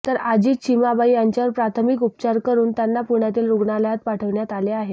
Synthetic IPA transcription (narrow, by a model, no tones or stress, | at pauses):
t̪əɾad͡ʑiːt͡ɕʰimabaijaɲt͡ɕjaʋəɾpɾat̪ʰəmikup̚t͡ɕaɾkəɾuːnt̪janːapuɳjat̪iːlɾuɡɳaləjat̪paʈʰəʋɳjat̪aleaɦet̪